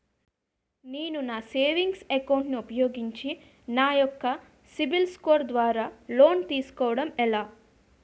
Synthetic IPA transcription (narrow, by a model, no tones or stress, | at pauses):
neːnunaːseːʋiŋɡsekɐwɳʈniupɐjo̞ːɡiɲt͡ʃi | naːjɔkːɐ | sibilskoːɾd̪ʋaːɾaːloːnt̪iːsu̥kɔːʋɐɽɐmɛlaː